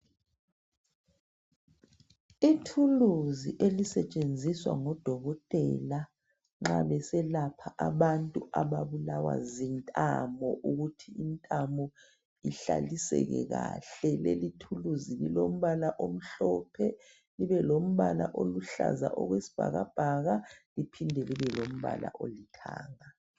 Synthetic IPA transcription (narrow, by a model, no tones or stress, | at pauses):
itʰuluziʔelisɛt͡ʃʼend͡zʱiswa̰ŋɔd̥ʱɔɣɔtʼɛla | ŋ͡ǁa̰βɛsɛlapʰaʔaβantʼuʔaβaβulawa̰zintʼamɔʔuɣutʰiːntʼamɔ | iɬalisɛ̰ɣɛ̰ɣaɬɛlelitʰuluzililom̩βalaʔom̩ɬɔpʰɛ | liβɛlom̩βalaʔoluɬa̰za̰ʔɔɣwesi̥b̥ʱaɣab̥ʱaɣalipʰindʱɛliβɛlom̩βa̰la̰ʔolitʰaːŋa